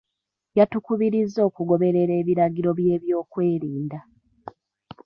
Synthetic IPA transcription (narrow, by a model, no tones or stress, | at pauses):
jatukuβiɾizːo̞ːkuɡo̞βe̞ɾe̞ɾe̞ːβiɾaɡiɾo̞βje̞ːβjo̞ːkwe̞ːɾiːnda